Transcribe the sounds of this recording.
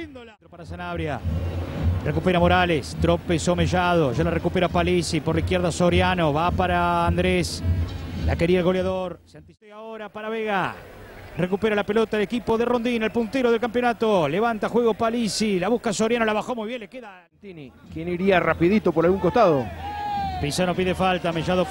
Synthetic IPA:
end̪olaɾopaɾasanaβɾja | rekupeɾamo̞ɾalest̪ɾopeso̞meʒað̞oʒalarekupeɾapalisipoɾlaihkjeɾðasoɾjano̞βapaɾaːnd̪ɾes | la̰ke̞ɾiaelɣo̞ljaðoɾsant̪iseaoɾapaɾaβeɣa | rekupeɾalapelot̪aelekipoðero̞nd̪inalpunt̪eɾoð̞elkampjonat̪oleβant̪axweɣopalisilaβuhkasoɾjanolaβaxo̞mujβjenlekeða | t̪ini | kjeniɾiarapiðit̪opoɾalɣuŋkost̪aðo | pisanopiðefalt̪ameʒaðo

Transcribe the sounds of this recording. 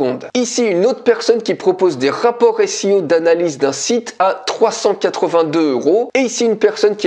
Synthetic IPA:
ɔ̃d̪isiynot̪χpɛʁsɔnkʲipχɔpozd̪eʁapɔʁesiod̪analizd̪ɛ̃sit̪at̪χwasɑ̃kʲat̪χəvɛ̃d̪øøʁoeisiynpɛʁsɔnkʲi

